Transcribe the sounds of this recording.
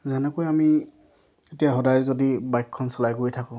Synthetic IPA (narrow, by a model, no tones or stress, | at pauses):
zanɛkojami | etijaɦɔdajzodibajkʰːɔnsɔlajkoɹjtʰakɔ̃